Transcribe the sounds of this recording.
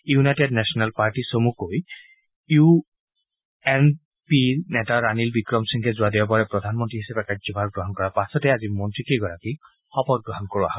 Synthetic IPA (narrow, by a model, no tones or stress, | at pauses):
junajtednɛsɔnalpaɹtisomukoj | ju | ɛn | pinɛtaɹanilbikɹɔmsiŋkʰɛzʊadiap̬ɔɹɛpɹɔd̪ʱanmɔntɹiɦisapɛkazɔbʱaɹɡɹɔɦɔnkɔɹapasɔtɛazimɔntɹikeɡɔɹaki | xɔpɔt̚ɡɹɔɦɔnkɔɹɔa̰ɦɔ